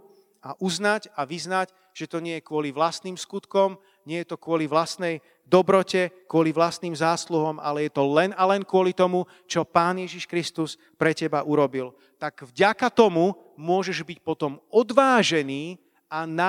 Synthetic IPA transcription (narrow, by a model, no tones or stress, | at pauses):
aʔuznacaʋiznac | ʒ̥ɛt̪ɔɲɪɛjɛkʊɔliʋlast̪niːmskut̪kɔm | ɲɪɛjɛt̪ɔkʊɔliʋlast̪nɛj | d̪ɔbɾɔcɛkʊɔliʋlast̪niːmzaːsluɦɔma̰lɛjɛt̪ɔlɛnalɛnkʊɔlit̪ɔmu | t͡ʃɔpaːnɪjɛʒiʃkɾist̪us | pɾɛcɛbaʔuɾɔbil | t̪aɡ̥vɟakat̪ɔmu | mʊɔʒɛʒbic̚pɔt̪ɔmɔd̪ʋaːʒɛniː | ana